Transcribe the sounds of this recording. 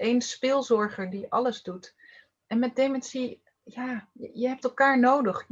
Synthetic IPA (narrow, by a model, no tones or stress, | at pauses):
ejnspɪːlˠzɔɹχəɹdiʔɑləzdut | ɛnmɛt̚demɛnsi | jaːjəɦɛp̚tɛlˠkaːɹnowdəχ